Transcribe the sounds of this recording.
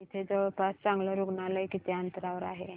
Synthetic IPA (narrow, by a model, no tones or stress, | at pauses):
it̪ʰed͡zəʋəɭpast͡sãŋɡləɾuɡɳalajkit̪ʰeant̪əɾaʋəɾa̰ɦe